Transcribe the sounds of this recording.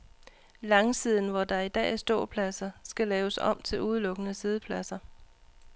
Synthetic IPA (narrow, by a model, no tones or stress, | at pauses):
lɑ̈ŋsið̞̰ˠn̩ʋɒd̥ɑ̈id̥ɛ̰ːæɐsd̥o̝̰ɐ̰pʰlæsɐsɡ̥ælɛːʊəsɒ̽m̰t͡sʰe̝luð̞ˠlɔ̽ɡ̥ənəsið̞ˠəpʰlæsɐ